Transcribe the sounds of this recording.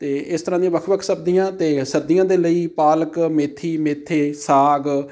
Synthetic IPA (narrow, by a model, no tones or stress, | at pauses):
t̪eːɪst̪əɾãːd̪iãːʋəkʰʋəkʰsəb̚d̪ijãːt̪eːsəɾd̪ijãːd̪eːləiːpaːləkmeːt̪ʰːiːmeːt̪ʰːeːsaːɡ